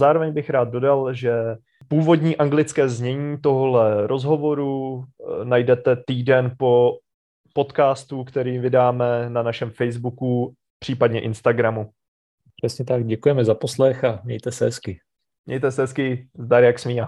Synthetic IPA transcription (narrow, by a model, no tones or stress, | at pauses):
zaːɾovɛɲbɪxɾaːd̪̚do̞dalʒɛ | puːvo̞dɲiːʔaŋɡlɪt͡skɛːzɲɛɲiːt̪o̞ɦolɛɾʔo̞zɦo̞vo̞ɾu | najdɛt̪ɛt̪iːdɛnpo̞ | po̞t̪kaːst̪ukt̪ɛɾiːvɪdaːmɛnanaʃɛmfɛjzbuku | pr̥iːpadɲɛʔɪnst̪aɡɾamu | pr̥ɛsɲɛt̪ak̚ɟɛkujɛmɛzaposlɛxamɲɛjt̪ɛsɛɛskɪ | mɲɛ̰jt̪ɛsɛɦɛskɪzd̪aɾjaksmiːa